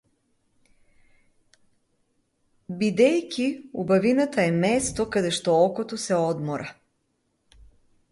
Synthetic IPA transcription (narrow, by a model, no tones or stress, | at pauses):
bid̪ɛjkʲiubavinat̪aɛmɛst̪okad̪ɛʃt̪ɔɔkot̪osɛɔd̪mɔɾʔa